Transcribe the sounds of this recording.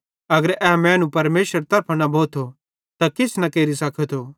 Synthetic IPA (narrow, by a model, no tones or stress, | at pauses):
ɐɡəɾɛːmɛ̃ːnũpɐɾmeːʃəɾt̪ɐɾpʰnɐbʱoːt̪ʰo | t̪akɪsnɐkeːɾisɐkʰət̪ʰoː